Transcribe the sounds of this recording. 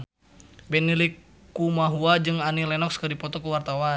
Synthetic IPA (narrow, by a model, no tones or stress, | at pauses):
bɛnilikː | umaɦuad͡ʒɨŋanilɛnɔkskədipɔt̪ɔkuwart̪awa